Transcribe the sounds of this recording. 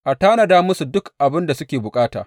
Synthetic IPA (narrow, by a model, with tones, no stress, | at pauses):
ʔa˨taː˦nɐ˨daː˦mʊ˦su˨dʊ˦kʔa˨bɪ˦nda˨sʊ˦kʲeː˨bʊ˨kʼaː˦ta̰ː˨